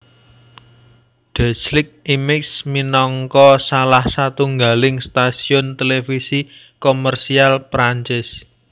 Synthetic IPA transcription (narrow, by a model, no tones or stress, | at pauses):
ɖ̪̥a̤t͡ʃlɪk̚imɪksminɔŋkɔsalahsat̪uŋɡalɪŋst̪asiʊnt̪elefisi | komərsialpɾaɲt͡ʃɪs